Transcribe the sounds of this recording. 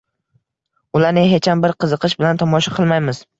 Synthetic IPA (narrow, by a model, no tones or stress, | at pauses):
ʊlaɾnɪɦet͡ʃambɪɾqʰɨzɨqʰɨʃbɪlant̪ʰɒmɒʃaqʰɨlˠmajmɪz̥